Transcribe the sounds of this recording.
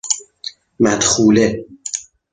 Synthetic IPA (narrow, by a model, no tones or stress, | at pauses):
mæd̪̥xuːle